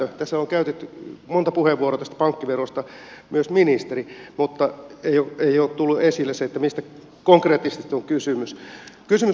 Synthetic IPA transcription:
øt̪æsːæoŋkæyt̪et̪ːymont̪ɑpuheʋːuorot̪æst̪æ̥pɑŋkːiʋerost̪ɑ | myøsminist̪erimut̪ːɑeijoeioːtt̪ulːuesilːeseet̪ːæmist̪æ | koŋkreːt̪ːist̪it̪ːoŋkysymyskysymy

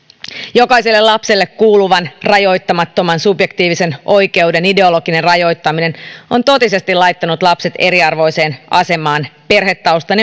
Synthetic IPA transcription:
jo̞kɑiselːellɑpse̞lːekkuːluʋɑnrɑjo̞jt̪ːɑmɑt̪ːo̞mɑnsubjek̚t̪iːʋise̞nʔo̞jke̞wde̞nide̞o̞lo̞ɡ̥ine̞nrɑjo̞jt̪ːɑmine̞no̞nt̪o̞t̪ise̞st̪ilɑjt̪ːɑnut̪lɑpse̞t̪e̞ɾiɑrʋo̞jse̞ːnʔɑse̞mɑːnpe̞rhɦet̪ːɑust̪ɑne

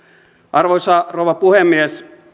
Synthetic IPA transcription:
ʔɑrʋoisɑrouʋɑpuhemːies

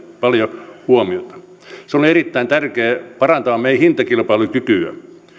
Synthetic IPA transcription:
pɑljohuomiot̪ɑ̥ | seolierit̪ːæint̪ærkeːpɑrɑnt̪ɑːmmeihint̪ɑkilpɑilukykyø̰

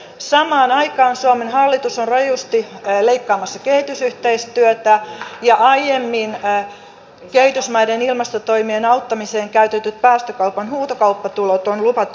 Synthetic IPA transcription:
sɑmɑːnɑikɑːnsuomenhɑlːit̪usonrɑjust̪ileikːɑːmɑsːɑkehit̪ysyht̪eist̪yøt̪æjɑʔɑjjemːin | keit̪ysmɑjdenilmɑst̪ot̪oimienɑut̪ːɑmiseːŋkæyt̪et̪yt̪̚pæːst̪økɑupɑnhuːt̪okɑupːɑt̪ulot̪onlupɑt̪

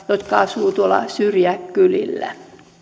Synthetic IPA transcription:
jot̪kɑɑsʋuːt̪uolɑ̰syrjækːylḭlːæ̰

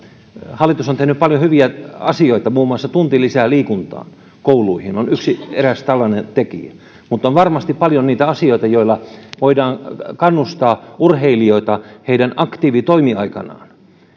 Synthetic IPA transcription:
hɑlːˑit̪usont̪ehnyppɑljohyʋiæɑ̰sioit̪ɑmuːmːˑuɑsːɑt̪unt̪ilːisæːliːkunt̪ɑ̰ːn | koulˑuihinonyksieræst̪ɑlːɑnent̪ekḭæ | mut̪ːˑonʋɑrmɑst̪ippɑljoniːt̪æɑsioit̪ɑjoilːɑʋoidɑːnkɑnːust̪ɑːʔurheilioit̪ɑheidænɑkt̪iːʋit̪oimiɑikɑ̰nɑ̰ːn

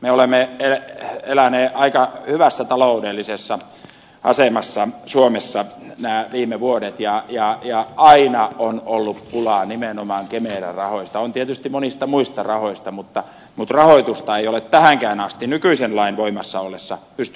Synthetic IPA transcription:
meolemːeelelæneːʔɑikɑhyʋæsːæt̪ɑloudelːisesːɑ | ʔɑ̰semɑsːɑsuomesːɑnæːʋiːmeʋuodet̪jɑjɑjɑɑinɑonolːuppːulɑˑnimenomɑːŋkemeːlæ̰rɑhoist̪ɑont̪iet̪yst̪imonist̪ɑmuist̪ɑrɑhoist̪ɑmut̪ːɑ | mut̪rɑhoit̪ust̪ɑeijolet̪t̪æhæŋkæːnɑst̪inykyisenlɑinʋoimɑsːɑolːesːɑpyst̪

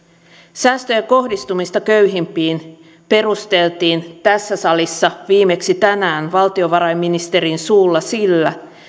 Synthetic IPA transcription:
sæːst̪ø̞jæko̞hdist̪umist̪ɑkø̞ɥɦimpiːn | pe̞rust̪e̞lt̪iːnt̪æsːæsɑlisːɑʋiːme̞ksit̪ænæːnʋɑlt̪io̞ʋɑɾɑjmːinist̪e̞ɾinsuːlːɑsilːæ

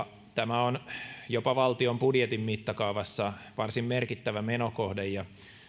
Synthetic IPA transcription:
t̪æmæonjopɑʋɑlt̪iombudjet̪imːmit̪ːɑkɑuʋɑsːɑʋɑrsimmerkit̪ːæʋæmenokohdejjɑ

